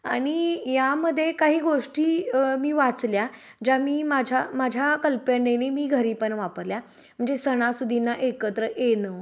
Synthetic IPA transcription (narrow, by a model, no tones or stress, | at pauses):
aɽ̃ijaməd̪ʱːjekaɦiːɡoʂʈiːmiːʋat͡slja | d͡ʑamiːmad͡ʑʱamad͡ʑʱjakəlpenenimiːɡʱəɾiːpəɳʋapəɾlja | m̤əɳd͡zesəɽ̃asud̪ʱinːaʔekət̪ɾəʔenə